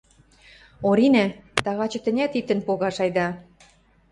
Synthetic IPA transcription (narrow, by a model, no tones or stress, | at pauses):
oɾinæt̪ɑɣɑt͡ɕɤ̆t̪ə̆nʲæt̪it̪ːə̆npoɣɑʃɑjd̪ɑ